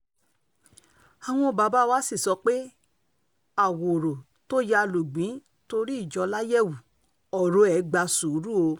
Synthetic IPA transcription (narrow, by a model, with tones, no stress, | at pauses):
a˨w̃ɔ̃˧ba˨˧ba˦wa˦si˦˨sɔ˧k͡pe˦ | a˨wo˨ɾo˨ | to˦ja˧lu˨ɡ͡bĩ˨˦ | to˧ɾi˦i˦˨d͡ʒɔ˧la˦jɛ˦˨wu˨ | ɔ˨ɾo˨˦ɛ˨˦ɡ͡ba˧su˨˦ɾu˦o˧